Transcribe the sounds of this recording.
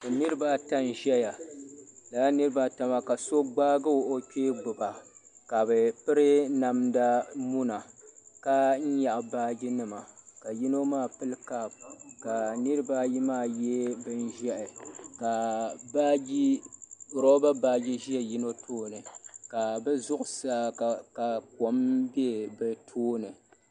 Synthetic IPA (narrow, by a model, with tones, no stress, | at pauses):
ɨ˨nɨ˦ɾɨ˦ba˦ta˦nʒɛ˦ja˨ | la˨a˦nɨ˦ɾɨ˦ba˦ta˨ma˦ka˨so˦ɡ͡baː˦ɡɨ˦wʔo˦kʲeː˦ɡ͡bʊ˨ba˨ka˨bɨ˨pɨ˦ɾɨ˦na˨mda˦mu˦na˨ka˦n̩˦ja˨ʔa˨baː˦ɡi˦nɨ˦ma˨ka˨ji˦no˦maː˦˨pɨ˦lka˦˨b̚ka˨nɨ˦ɾɨ˦ba˦ji˦maː˦˨jɛ˦bɨ˦n˦ʒɛ˦ʔɪ˨ka˨ba˦ɡi˦ | ɾɔ˦ba˦baː˦ɡi˦ʒi˦ɛ˦ji˦no˦tʰoː˦nɨ˨ka˨bɛ˦zʊ˦ʔʊ˨saː˦˨ka˨ko˨mbi˦ɛ˦bɛ˨tʰoː˦nɨ˨